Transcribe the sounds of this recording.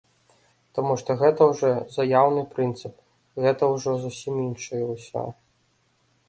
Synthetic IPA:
t̪amuʂt̪ɔɣɛt̪ɐwʐɔzajawnɨpɾɨnt̪sɨp̚ | ɣɛt̪ɐwʐɔzusʲiminʂɨjɛwsʲa̰

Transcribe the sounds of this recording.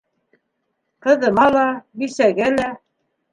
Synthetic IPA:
qɤ̆ðɤ̆mɑlˠɑbisæɡælæ

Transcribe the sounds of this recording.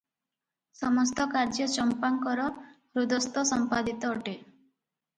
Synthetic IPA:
sɔmɔst̪ɔkaɾd͡ʒɔt͡ʃɔmpaŋkɔɾɔ | ɾud̪ɔst̪ɔsɔmpad̪it̪ɔːʈe

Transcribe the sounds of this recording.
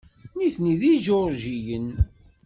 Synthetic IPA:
niθniðiʒoɾʒijən

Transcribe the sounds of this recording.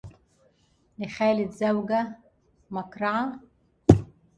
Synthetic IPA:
lɪxaːlɪd̪zawɡa | makɾɑʕa

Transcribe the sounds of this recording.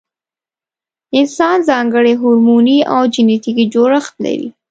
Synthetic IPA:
ɪnsɑnzɑŋɡəɽeɦʊɾmunia̰wd͡ʒɪnet̪ikid͡ʒoɾəxt̪̚la̰ɾḭ

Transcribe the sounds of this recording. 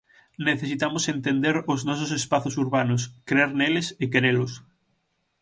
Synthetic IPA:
neθesit̪amosent̪end̪eɾoznɔs̬osespaθosuɾβanoskɾeeɾnelesekeɾelos

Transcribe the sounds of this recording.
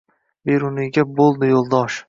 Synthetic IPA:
beɾʊnɪɡʲabolˠd̪ɪjolˠd̪ɒʃ

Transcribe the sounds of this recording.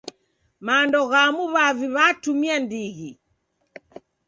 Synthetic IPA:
maːndɔɣamuβaviβatumiandiɣi

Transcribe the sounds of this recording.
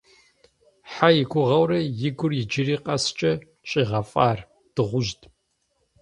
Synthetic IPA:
ħajɪkʷʊʁɐwrɐjɪɡʷʊrjɪd͡ʒɪriːqɐst͡ʃʼɐ | t͡ʃʼiːʁɐfʼaːr | d̥ɨʁʷʊʒtʰʼ

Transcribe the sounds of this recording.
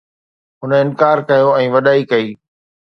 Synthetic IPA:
ɦʊnəɪnkaːɾkɐjoɛ̃ːʋɐɗaːikɐiː

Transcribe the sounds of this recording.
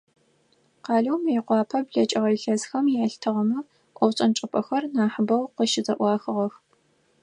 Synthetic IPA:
qɑːɮɐwmjiqʷɑːpʰɐbɮɐt͡ʃʼɐʁɐjɬɐzxɐmjɪɐɬtʰɨʁɐmɨ | ʔʷɔwɕʼɐnʈ͡ʂʼɨpʰʼɐxɐrnaːħəbɐwqəʃɪzɐʔʷɑːxɨʁɐx

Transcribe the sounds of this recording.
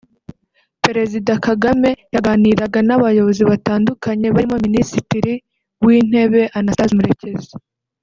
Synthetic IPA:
pe̞ɾe̞zidakaɡame̞jaɡaːniɾaɡanaβajo̞βo̞ziβataːndukaɲe̞βaɾimominisitiɾi | wiːn̥e̞βe̞ʔanasazumuɾeceze

